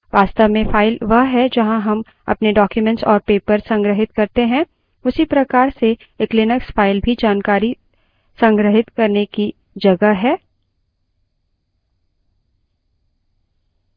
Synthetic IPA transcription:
ʋaːst̪əʋmẽfʰaːɪlʋɐɦɦɛd͡ʒɐɦãɦɐm | ɐ̰pneɖɔːkjumɛ̃ɳʈsɔːɾpeːpəɾsɐ̃ŋɡɾəɦɪt̪kɐɾt̪eɦɛ̃ | ʊsipɾɐkaːɾse | klɪnəkspʰaːɪlbʱid͡ʒaːnkaːɾi | sɐ̃ŋɡɾəɦɪt̪kɐɾneki | d͡ʒɐɡəɦɛː

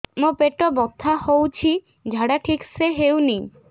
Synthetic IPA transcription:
mopeʈɔbɔt̪ʰːahowt͡ʃʰi | d͡ʒʱaɽaʈʰikseɦewni

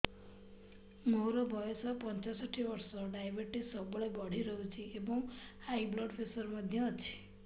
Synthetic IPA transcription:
moɾɔbʱɔjosɔpɔnt͡ʃɔsɔʈʰiʋɔɾsɔɖajbəɾʈisɔbɔɭebɔɽ̤iɾɔɦut͡ʃʰiebɔŋ | ajblɔɖpʰesɔɾmɔd̪ʱjɔt͡ʃʰe̥

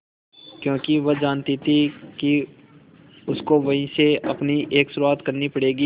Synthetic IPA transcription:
kjõːkiʋɐd͡ʒaːnt̪it̪ʰiki | ʊskoʋɐɦĩseɐpniʔeːksʊɾuaːt̪kɐɾnipɐɽeːɡiː

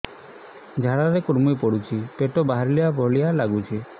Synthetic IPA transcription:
d͡ʒʱaɽaɾekuɾmujpɔɽut͡ʃʰipeʈɔbaɦaɾlijabʱɔɭialaɡut͡ʃʰi

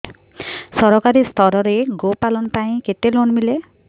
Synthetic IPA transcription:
sʌɾɔkaɾist̪ʰʌɾɔɾeɡopalɔnpaĩket̪elonmile

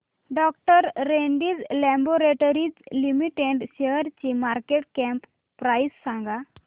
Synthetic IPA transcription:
ɖɔk̚ʈəɾːeɳɖiːd͡zlɛmboɾeʈoɾid͡zlimiʈeɖɕeɦəɾt͡ɕimaɾkeʈ̚kɛ̃mpː | ɾajsːãŋɡa

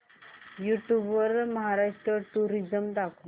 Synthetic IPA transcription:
juʈjubʋʋəɾməɦaɾaʂʈɾəʈuɾid͡ʑəmd̪akʰu

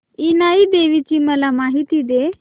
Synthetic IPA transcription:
inaid̪eʋit͡ɕiːməlamaɦit̪id̪e

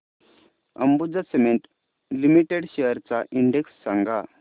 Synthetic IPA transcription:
ə̰mbud͡zasemeɳʈ | limiʈeɽɕeəɾt͡saʔiɳɖeksːaŋɡa

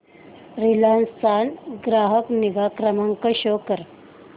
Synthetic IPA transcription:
ɾilanst̪ʰanɡɾaɦəkniɡakɾəmaŋkəɕokəɾ

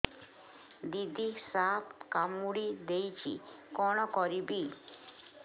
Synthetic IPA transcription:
d̪id̪isapkamuɽid̪ejt͡ɕʰḭkɔñɔkɔɾibi

